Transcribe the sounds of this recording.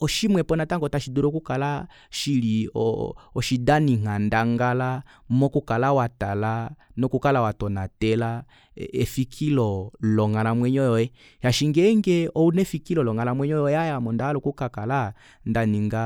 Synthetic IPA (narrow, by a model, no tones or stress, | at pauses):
ɔʃimwɛpɔnataŋɡɔtaʃiduɾɔkukala | ʃiliɔ̰ɔʃidaniŋ̥andaŋɡala | mɔkukalawatalanɔkukalawatɔnatɛla | ɛfikʰilɔlɔŋalamwɛɲɔjɔɛ | ʃaʃiŋɡɛŋɡɛɔunɛfikilɔlɔŋalamwɛɲɔjɔjɛajamɔndalɔkukakala | ndaniŋɡa